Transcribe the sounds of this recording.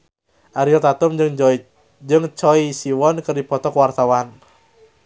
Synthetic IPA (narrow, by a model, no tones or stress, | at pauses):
ʔaɾiɔt̪at̪ʊmŋ | d͡ʒɨŋt͡ʃɔisiwɔnkɨrdipɔt̪ɔkwart̪awan